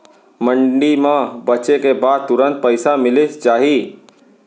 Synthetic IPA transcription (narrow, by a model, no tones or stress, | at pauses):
məɳɖimãbət͡ʃekebaːd̪̚t̪ʊɾə̃nt̪̚pəɪsamɪlet͡ʃaːɦi